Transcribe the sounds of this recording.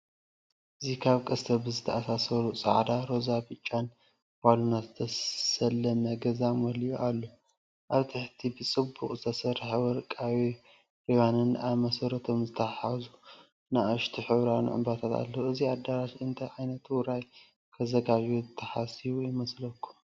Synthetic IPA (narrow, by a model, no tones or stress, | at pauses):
ʔɨzikʰaβkʼɐst̪ʰɐbɨzɨt̪ʰɐʔasasɐɾusʼɐ̰ʕd̪aɾo̞zabɨt͡ʃʼːan | balunat̪zɨt̪ʰɐsɐlːɐmɐɡɐzamɔljuʔalːo | ʔaβt̪ʰɨħt̪ʰibɨt͡sʼɨbːuqʼzɨt̪ʰɐsɐɾħewɔɾkʼawi | ʔiwanɨnaβmɐsɐɾɐt̪ʰo̞mzɨt̪ʰɐħazu | naʔaʃt̪ʰiħɨβɾanṵʕɨ̰mbat̪ʰat̪ʰa̰lːoʔɨziad̪aɾaʃɨnt̪ʰɐjʕajnɐt̪wʊɾaj | kʰɐzɐɡaβuzɨt̪ʰːɐħasiβujɪmɐslɐkʰːu̥